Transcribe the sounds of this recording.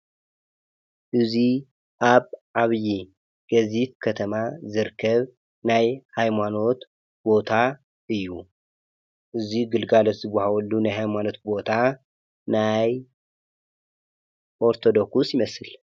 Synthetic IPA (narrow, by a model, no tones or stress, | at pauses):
ʔɨzi | ʔaβʕaβji | ɡ̥ɐzit̪̚kʰɐt̪ʰɐmazɨɾkʰːɐβ | najhajmano̞t̪ | bo̞t̪ʰa | ʔɨjːu | ʔɨziɡɨlɡalot̪zɨbːahawɐlːunajɦhajmano̞t̪̚bo̞t̪ʰa | naj | ʔo̞ɾt̪ʰo̞d̪o̞kusjɪmɐsɨl